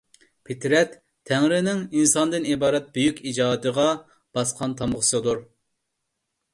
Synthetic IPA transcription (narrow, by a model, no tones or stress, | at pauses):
pʰɪt̪ʰɾɛt̪ʰː | ɛŋɾɪnɪŋinsɑnd̪ɨnibɑːɾɛt̪̚byjykʲid͡ʒɑːd̪ɨʁɑ | b̥ɑsqʰɑnt̪ʰɑmʁʊsɨd̪uɾ